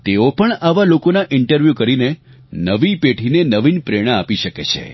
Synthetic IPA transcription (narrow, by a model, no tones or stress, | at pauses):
t̪eopəɳaʋalokonaʔɪɳʈəɾʋjukəɾine | nəʋipeʈʰinenəʋinpɾeɽ̃aapiʃəket͡ʃʰḛ